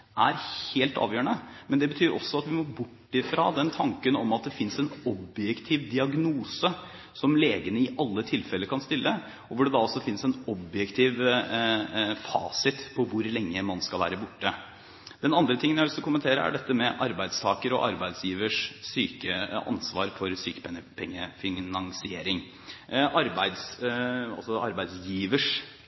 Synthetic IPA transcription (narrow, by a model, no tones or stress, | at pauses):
ʔæɾheːlt̪ɑ̰ːʋjøːəɳəmɛnd̪ɛbət̪ʰyːɾʔɔ̰sːɔɑt̪ʋɪmɔbʊʈːɪfɾɑ̰ːd̪ɛnt̪ʰɑŋkənɔmɑt̪̚d̪ɛfɪnsɛnɔbjɛkt̪ʰiːʋd̪ɪɑɡnuːsə | sɔmleːɡənəɪʔɑlːət̪ʰɪlfɛlːəɾkʰɑnst̪ɪlːə | ɔʋʊɖɛd̪ɑɔsːɔfɪnsɛnɔbjɛkt̪ʰiːʋ | fɑ̰ːsɪt̪pʰɔʋʊɾlɛŋːəmɑnskɑlʋæ̰ːɾəbʊʈːə | d̪̥ɛnɑnd̪ɾət̪ʰɪŋənjæɪʋ̪ɪst̪əkʰʊmənt̪ʰeːɾə̰æ̰ɖɛt̪ːəmɛʔɑɾbæɪd̪st̪ʰɑːkəɾɔ̰ʔɑɾbæɪd̪sjiːʋəʂsyːkəɑ̰nsʋɑːɾfɔɾsyːkə̥pʰɛŋəpʰɛŋːəfɪnɑŋsɪeːɾɪŋ | ʔɑɾbæɪd̪sɑ̰sɔɑɾbæɪd̪sjiːʋəʂ